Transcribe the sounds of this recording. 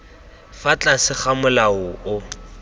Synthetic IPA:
fat͡ɬʼasɪχamʊlaʊʊ

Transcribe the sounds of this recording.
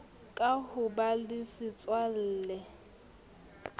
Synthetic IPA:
kʼahʊbalɪsɪt͡sʼwal̩ːlɛ

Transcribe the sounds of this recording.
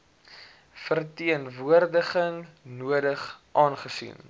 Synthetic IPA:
fərtiənvuərdəχəŋnuədəχʔɑːnχəsḭn

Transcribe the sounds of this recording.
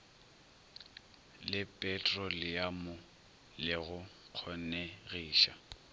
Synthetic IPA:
lɪpʼɛtʼrɔlɪjamʊ | lɪɣʊ | q͡χʰɔneɣiːʃa̰

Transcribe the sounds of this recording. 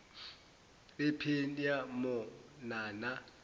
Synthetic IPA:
ɪpʰenjamʊnaːna

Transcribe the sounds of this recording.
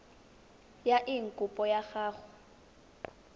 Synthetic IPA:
jaʔiŋ̩kʼʊpʼɔjaxaːɣʊ

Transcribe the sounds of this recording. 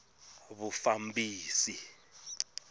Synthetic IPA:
βufambʱiːsi

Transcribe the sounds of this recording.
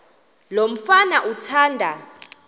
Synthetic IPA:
lom̩fanaʔutʰaːndʱa

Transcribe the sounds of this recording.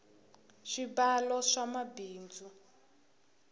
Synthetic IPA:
ʃibalɔʂamabiːnd͡zu

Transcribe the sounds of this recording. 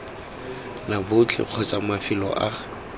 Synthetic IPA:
nabʊt͡ɬʰɪ̰q͡χʰɔt͡sʼamafɪlɔ̰ʔa

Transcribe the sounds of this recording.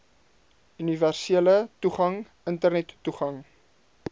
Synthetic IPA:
yniværsieələtuχɐŋ | əntərnɛtːuχɐŋ

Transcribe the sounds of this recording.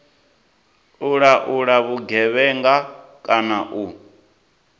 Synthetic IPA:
uɺaʔuɺaβuɡɛβɛŋɡakʼanaʔu

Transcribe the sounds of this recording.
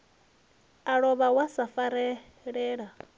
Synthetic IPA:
aɺɔβawasafaɾɛ | ɺɛːɺa

